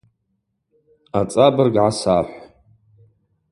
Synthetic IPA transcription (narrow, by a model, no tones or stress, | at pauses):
at͡sʼabɨrɡʕasaħʷ